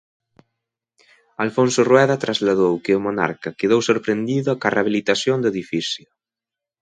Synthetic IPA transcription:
alfõnsʊrwɛðat̪ɾazlaðowkeomona̰ɾkakeðowsoɾpɾend̪iðʊkaraβ̞ilit̪asjond̪eðifisjʊ

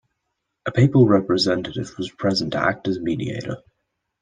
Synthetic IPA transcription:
ʔəpʰeɪpəl̩ˠɹɛpɹɨzɛ̃ntɨɾɪvwʌz̥pʰɹ̥ɛzə̃n̩tʰə̰æ̰k̚tɨzmidḭḛɪɾə̰˞

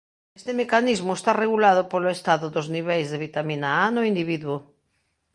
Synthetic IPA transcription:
est̪emekanizmʊest̪areɣulað̞ʊpoloest̪aðʊðozniβejzðeβit̪aminaanoind̪iβ̞iðwo

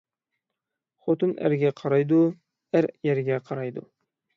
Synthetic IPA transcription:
χot̪ɨnʔæ̰ɾɡʲæqʰɑɾɑjd̪u | æɾjæɾɡʲæqʰɑɾɑjd̪ʊ̰

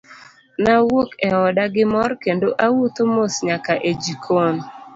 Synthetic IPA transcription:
nawokɛɔdaɡɪmɔrkendoʔawut̪omosɲakaʔed͡ʒikʰon

